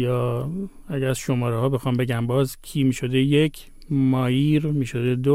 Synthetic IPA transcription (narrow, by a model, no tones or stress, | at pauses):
jɒː | æɡæzʃo̞mɒːɾehɒːbexɒːmbe̞ɟæmbɒːzkʰiːmiːʃod̪eje̞cʰ | mɒːjiːɾmiːʃo̞d̪e̞d̪o